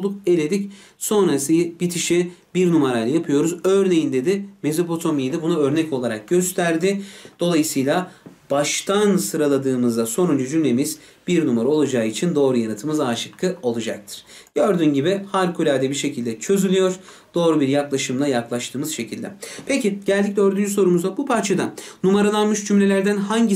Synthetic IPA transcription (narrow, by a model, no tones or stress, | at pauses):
d̪uke̞lʲe̞d̪ic | so̞nɾasɯb̥it̪ʰiʃibiɾnumaɾajlʲˠajapʰɯjo̞ɾuzøɾne̞jind̪e̞d̪ɪme̞zypo̞t̪ʰo̞mijd̪ɯbunuø̞ɾnɛco̞lˠaɾak̚ɟ̥øst̪ʰæɾd̪ɪd̪̥o̞lˠajɯsɯjlˠab̥aʃt̪ʰansɯɾalˠad̪ɯːmɯzd̪aso̞nund͡ʒud͡ʒynlʲe̞miz̥ | biɾnumaɾao̞lˠad͡ʒaːit͡ʃʰind̪o̞ːɾujanat̪ʰɯmɯzaːʃɯkʰːɯo̞lˠad͡ʒak̚t̪ʰɯ̥ɾ̥ɟøɾd̪ynɟibɪhalʲkʰulʲaːd̪ɛbiɾʃe̞cʰilʲd̪ɛt͡ʃʰø̞zylʲyjo̞ɾ | d̪̥o̞ːɾubiɾjaklˠaʃɯmlˠajaklˠaʃt̪ʰɯːmɯz̥ʃe̞cʰilʲd̪ɛ̰pʰeciɟ̥ælʲd̪ic̚ʲlʲɛøɾd̪ynd͡ʒyso̞ɾumuzd̪abupʰaɾt͡ʃʰad̪anumaɾanˠanmɯʃd͡ʒymlʲe̞lʲæɾd̪ænhaɲɟi